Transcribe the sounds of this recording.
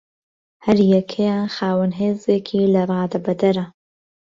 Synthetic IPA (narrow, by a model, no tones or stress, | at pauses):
hɐɾjɛkʰejaːnxaːwɨnɦeːzeːkʰiːlɐrˤɑːd̪ɐbɐd̪ɐɾɐ